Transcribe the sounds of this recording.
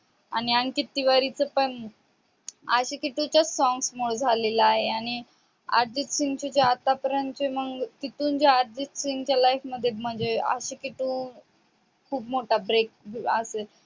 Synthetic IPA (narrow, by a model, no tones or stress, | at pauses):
añiaŋkit̪ːiʋaɾit͡səpəɳ | aɕikiʈ̪ũt͡ɕjasɔŋɡsmoɭd͡zʱalelaaɦeaɽ̃i | a̰ɾd͡ʑitsiŋɡt͡ɕed͡ʑeat̪apəɾənt͡ɕeməɡt̪it̪uːnd͡ʑeaɾd͡ʑit̪siŋɡt͡ɕjalajkməd̪ʱːjem̤əɳd͡zea̰ɕikiʈ̪ũː | kʰuːpmoʈabɾek̚əse